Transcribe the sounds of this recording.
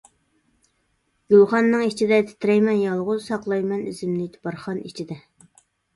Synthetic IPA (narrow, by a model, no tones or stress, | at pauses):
ɡ̥ylˠχɑnːɨŋit͡ʃʰid̪ɛt̪ʰɪ̥t̪ʰɾɛjmɛnjɑlˠʁʊzsɑqlˠɑjmɛnyzɪmlɪt̪ʰbɑɾχɑnḭt͡ʃʰid̪ɛ